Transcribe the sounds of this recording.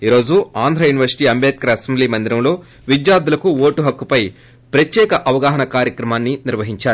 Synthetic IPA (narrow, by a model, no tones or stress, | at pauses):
iːɾo̞ːd͡ʒuaːnd̪ʱɾaːjuːniʋɐɾsi̥ʈiːɐmbeːt̪̚kɐɾɐɐsembliːmɐnd̪iɾɐmlo̞ː | ʋid͡ʒjaːd̪ulɐkuoːʈuɦɐkːupɐj | pɾɐt̪jɛːkɐʔɐʋɐɡaːɦɐnɐkaːɾjɐkɾɐmaːnːiniɾʋɐɦiɲt͡ʃaːɾu